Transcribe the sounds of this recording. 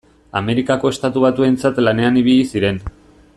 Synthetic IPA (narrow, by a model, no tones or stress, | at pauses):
a̰me̞ɾikako̞est̪at̪uβ̞at̪ue̞nt͡sat̪lane̞aniβ̞iʎisiɾe̞n